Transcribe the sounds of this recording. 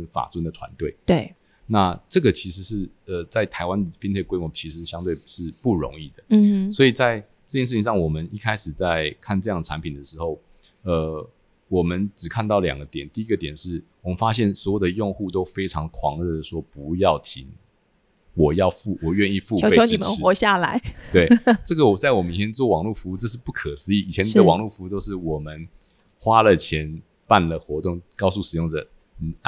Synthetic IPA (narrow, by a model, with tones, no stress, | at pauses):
fa̰˨˩t͡swə˥nd̪ə˨t̪ʰwa̰˧˦nt̪we˥˩ɪe˥˧˩ | na˥˨ʈ͡ʂɤ˥˩ɡə˨˩t͡ɕʰi˧˥ʂɻ̩˧˥ʂɻ̩˥˩ | ə˧˩t͡sa˥˩ɪt̪ʰa˧˥ɪwa˦˥nd̪ə˨fi˥nt̪ʰe˥˩ɪkwe˥ɪmwɔ˧˦t͡ɕʰi˧˥ʂɻ̩˧˥ɕjɑ˥ŋt̪we˥˧ɪʂɻ̩˥˧pu˥˩ɻo̰˧˦ŋi˥˩d̪ə˩swɔ˧˥i˨˩t͡sa˥˧ɪ | ʈ͡ʂɤ˥˩t͡ɕjɛ˥nʂ̬̩˥˩t͡ɕi˧ŋʂɑ˥˩ŋwɔ˨˩mə˦ni˥˩kʰa˥ɪʂɻ̩˨˩t͡sa˥˩ɪkʰa˥˧nʈ͡ʂɤ˥˧jɑ˥˩ŋə˩a˧˦npʰi˨˩nd̪ə˩ʂɻ̩˧˥xo˥˩ʊ | ə˧ | wɔ˨˩mə˦nʈ͡ʂɻ̩˨˩kʰa˥˧nt̪ɑ˥˩ʊljɑ̰˨˩ŋɡə˦t̪jɛ˨˩nt̪i˥˩i˦˥ɡə˨t̪jɛ˨˩nʂɻ̩˥˩wɔ˨˩mə˦nfa˥ɕjɛ˥˩nswɔ˧˥jo˨˩d̪ə˩jʊ˥˧ŋxu˥˧t̪o˥ʊfe˥ɪʈ͡ʂʰɑ˧˥ŋkʰwɑ˧˥ŋɻə˥˧˩d̪ə˩ʂwɔ˥pu˧˦jɑ˥˩ʊt̪ʰi˧˥ŋ | wɔ˨˩jɑ˥˧ʊfu˥˩wɔ˨˩ɥɛ˥˧ni˥˧fu˥˧˥e˥˧o˧˥i˨˧˩mə˨n˥wɔ˨˧˥ɕja˥˩la˧˦ɪt̪we˥˩ɪʈ͡ʂɤ˥˩ɡə˨wɔ˨t͡sa˥˩ɪwɔ˨˩mə˦ni˨˩t̪ʰjɛ˥nt͡swɔ˥˩wɑ˨˩ŋlu˥˩fu˧˥u˥˧ʈ͡ʂʂ̬ɻ̩˥˧pu˥˩kʰə˨˩sɹ̩˧˥i˧˩i˨t͡ɕʰɛ˧˦ni˨˩d̪ə˦wɑ˨ŋlu˥˩fu˧˦˥t̪o˥ʊʂɻ̩˥˩wɔ˨˩mə˦n | xwa˦˥lə˨t͡ɕʰjɛ˧˦n | pa˥˩nlə˩xwɔ˧˥t̪ʊ˥˩ŋkɑ˥˧ʊsu˥˩ʂɻ̩˨˩jʊ˥˩ŋd͡zə˨˩˨